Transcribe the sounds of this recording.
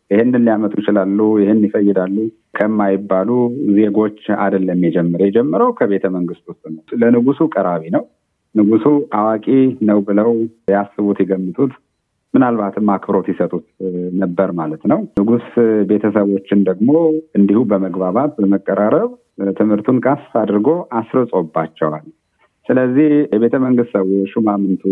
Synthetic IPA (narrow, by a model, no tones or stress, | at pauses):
jɪhenːɨnlijamət̪ʼujɪt͡ʃɪlalːujɪhenjɪfəjːɪd̪alːu | kʰəmːajɪbːaluze̞ɡo̞t͡ʃːa̰d̪əlːəmjɛd͡ʒɛmːɨɾjɛd͡ʒɛmːəɾəwkʰəβe̞t̪ʰəməŋɡɨst̪wʊst̪ʼnəwlənɨɡusukʼəɾaβinəw | nɨɡusuʔawakʼinəwbɨləwjasːɨβut̪jɛɡəmːɨt̪ʼut̪ | mɨnalβat̪ɨmːakbɾo̞t̪jɛsət̪ʼut̪nəbːəɾmalət̪nəwnɨɡusbe̞t̪ʰəsəβo̞t͡ʃːɪnd̪əɡmo̞ɨnd̪ihubəməɡbaβat̪̚bəməkʼːəɾaɾəβ | t̪ʰɨmhɨɾt̪ʰunkʼast̪ʰad̪ɾɡo̞ʔasɾəsʼobːat͡ʃːɛwal | sɨləzːihjɛβe̞t̪ʰəməŋɡɨst̪səβot͡ʃːumamɨnt̪ʰu